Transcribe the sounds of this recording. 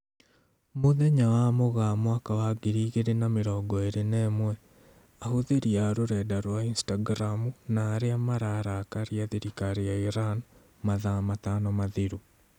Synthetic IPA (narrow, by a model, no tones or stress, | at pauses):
moðeɲawamoɣamwakawaɡeɾiɣeɾenameɾɔːɡɔeɾenɛmwɛ | ahoðeɾiaɾoɾɛdaɾwainstaɡɾamunaːɾeamaɾaːɾakaɾiaðiɾikaɾejaiɾan | maðamat̪anɔmaðeɾu